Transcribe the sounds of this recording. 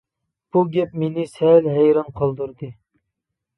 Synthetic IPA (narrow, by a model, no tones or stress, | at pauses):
b̥uɡʲɛp̚menɪsɛlɦɛjɾɑnqʰɑlˠd̪uɾd̪ɨ